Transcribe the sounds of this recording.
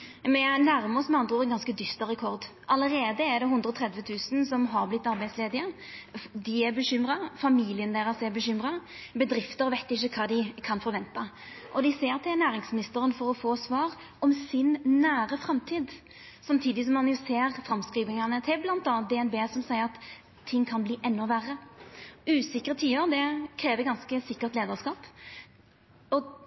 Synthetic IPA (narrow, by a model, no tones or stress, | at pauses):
mɛnæɾməɔsmɛɑnd̪ʁʊɛnɡɑnskəd̪ʏst̪ɑɾɛkʰɔɾd̪ | ʔɑləɾeːd̪əɛɾd̪ɛhʉnd̪ɾɔt̪ʰɾɛd̪ʋət̪ʰʉːsn̩sɔmɦɑɾblɪt̪ːɑɾbæɪd̪sleːd̪ɪə | d̪ɪɛɾbəɕʏmɾɑfɑmiːlɪənd̪eːɾɑsɛbəɕʏmɾɑbəd̪ɾɪft̪əɾʋæɪt̪ːɪçːəkʰɑːd̪ɪkʰɑnfɔɾʋɛnt̪ɑ | ʔɔd̪ɪseːɾt̪ʰɪlnæːɾɪŋsmɪnɪst̪əɾənfɔɾɔfoːsʋɑːɾ | ɔmsɪnːæːɾəfɾɑmt̪ʰiːd̪ | sɑmt̪ʰiːd̪ɪs̬ɔmːɑnjʊseːʁfɾɑmskɾiːʋɪŋɑnət̪ʰɪblɑnt̪ɑːnt̪̚d̪ɛɛnbeːsɔmsæɪəʁɑt̪ʰː | ɪŋːkʰɑnbliːʔɛnːɔʋæɾːə | ʉːsɪkːəʁət̪ʰiːəɾd̪ɛkʰɾeːʋəɡɑnskəsɪkːəʁt̪leːd̪əʁskɑːp | ɔ